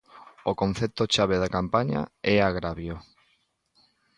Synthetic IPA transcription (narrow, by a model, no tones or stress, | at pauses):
okon̟θet̪ot͡ʃaβeðakampaɲa̰ɛaɣɾaβjo